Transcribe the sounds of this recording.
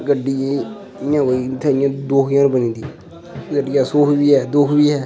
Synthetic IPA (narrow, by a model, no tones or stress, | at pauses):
ɡəɖiː | ɪjãːkoːit̪ʰɛɪ̃jãːd̪oːkʰjãːnbənĩːd̪i | ɡəɖiːaːsoːkbiːɦɛːd̪ʊːkʰbiːɦɛː